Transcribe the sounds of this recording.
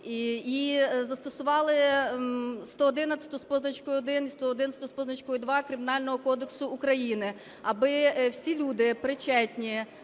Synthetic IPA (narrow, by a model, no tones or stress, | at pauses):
izɐst̪ɔsʊʋɑlˠɪ | st̪ɔɔd̪ɪnɐt̪t͡sʲɐ̥t̪ʊspɔznɐt͡ʃkʊɔd̪ɪnist̪ɔɔd̪ɪnɐsʲt̪ʊspɔznɐt͡ʃkʊjʊd̪ʋɑkɾʲɪmʲɪnɑlʲnɔɦɔkɔd̪eksʊːkɾɐjinɪ | ɐbɪwsʲilʲud̪ɪpɾɪt͡ʃɛtʲnʲi